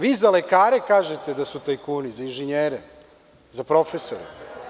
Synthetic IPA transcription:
ʋiːzalekaːɾekaːʒet̪ed̪asut̪ojkuːnizainʒeɲeːɾe | zapɾo̞fesoɾe

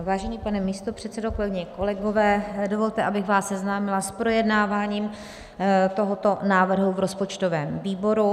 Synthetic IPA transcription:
vaːʒɛɲiːpanɛmiːst̪opr̝̥ɛt̪sɛdoklɪɡɲɛko̞lɛɡo̞vɛːdo̞vo̞lt̪ɛʔabɪxvaːsːɛznaːmɪlaspɾo̞jɛdnaːvaːɲiːm | t̪o̞ɦot̪o̞naːvr̩ɦuvɾo̞spo̞t͡ʃt̪ovɛːmviːbo̞ɾu

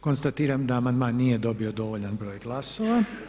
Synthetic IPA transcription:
konst̪at̪iːɾamd̪aamand̪maːnːijed̪o̞biod̪o̞ʋoʎanbɾo̞ːjɡlˠaso̞ːʋa

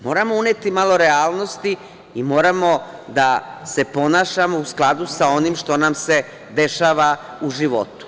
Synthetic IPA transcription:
mo̞ːɾamo̞uneːt̪imalo̞ɾe̞aːlˠno̞st̪i | imo̞ːɾamo̞d̪ase̞po̞naːʃamo̞usklˠad̪usao̞nimʃt̪o̞namse̞ | d̪e̞ʃaːʋa | uʒiʋo̞̰t̪u̥

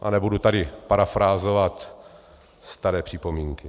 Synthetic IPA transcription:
ʔa̰nɛbudut̪adɪpaɾafɾaːzovat̪ | st̪aɾɛːpr̝̥ipomiːŋkɪ

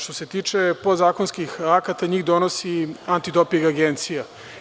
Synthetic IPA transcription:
ʃt̪o̞se̞t̪iːt͡ʃe̞pozaːkonskixakat̪aɲiːɣd̪o̞nosiant̪id̪opiɡaɡent̪sija

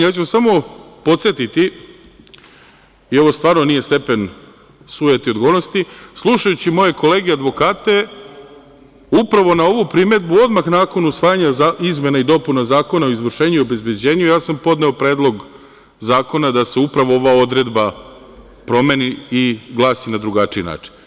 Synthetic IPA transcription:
jaːt͡ɕusamo̞po̞t̪sjet̪it̪i | ieʋo̞st̪ʋaːɾno̞nije̞st̪e̞pe̞n | suːjet̪io̞d̪ɡonost̪islˠuʃajut͡ɕimo̞je̞ko̞le̞ːɡead̪ʋo̞kaːt̪e̞ | upɾaʋo̞nao̞ʋupɾime̞d̪buo̞d̪maxnaːko̞nusʋaːjaɲaizme̞naid̪o̞punazaːko̞nao̞izʋr̩ʃe̞ːɲuio̞be̞zbjed͡ʑe̞ːɲujaːsampo̞d̪neo̞pɾe̞ːd̪lˠo̞ɡ | zaːko̞nad̪ase̞upɾaʋoo̞ʋao̞d̪ɾe̞d̪ba | pɾo̞me̞ːniiɡlˠaːsinad̪ɾuɡat͡ʂiina̰ːt͡ʂi̥n

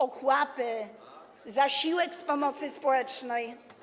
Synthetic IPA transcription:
ɔxwapɘ | zaɕiwɛkspɔmɔt̪sɘspɔwɛt͡ʂnɛj

